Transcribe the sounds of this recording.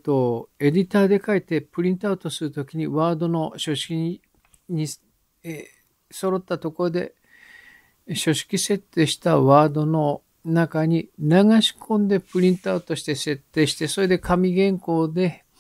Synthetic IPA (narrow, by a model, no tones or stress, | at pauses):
t̪o̞e̞dʲit̪aːd̪e̞kait̪e̞pɯɾʲĩnt̪oaɯt̪o̞sɨɾɯ̟t̪o̞kʲiɲ̟iβaːd̪o̞no̞ɕo̞ɕi̥kʲi | ɲ̟i | so̞ɾo̞t̪ːat̪o̞ko̞ɾod̪e̞̰ | ɕo̞ɕi̥kʲise̞t̪ːe̞ɕi̥t̪aβaːd̪o̞no̞ | nakaɲ̟inaɡaɕi̥kʰõ̞nd̪e̞pɯ̟ɾʲĩnt̪oat̪o̞ɕi̥t̪e̞se̞t̪ːe̞ːɕi̥t̪e̞so̞ɾe̞d̪e̞kʰamʲiɡẽ̞ŋko̞ːd̪e̞